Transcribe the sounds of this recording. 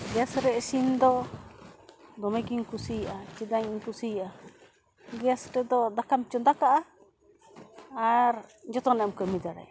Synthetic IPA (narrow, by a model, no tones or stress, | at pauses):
ɡɛjasɾɛʔsind̪ɔ | d̪ɔmɛɡiŋkusijʔat͡ʃid̪aɲiɲkusijʔa | ɡɛjasɾɛd̪ɔd̪akamt͡ʃɔd̪akaʔa | ɾd͡ʒɔt̪ɔnɛɛmkəmid̪aɽa̰j